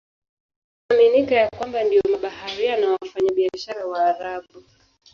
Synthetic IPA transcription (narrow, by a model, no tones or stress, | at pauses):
aminikajakwambandijɔmaɓahaɾianawafaɲaɓiaʃaɾawaːɾaɓu